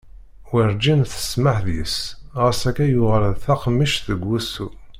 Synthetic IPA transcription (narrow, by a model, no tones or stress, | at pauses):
wiɾd͡ʒinθə̥sməħðjisʁəsækæjʊʁəɾðθaqmːiʃðəɡːusu